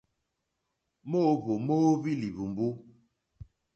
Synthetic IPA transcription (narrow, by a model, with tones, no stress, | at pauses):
mo˦βo˨mo˦βi˦li˨βu˨mbu˦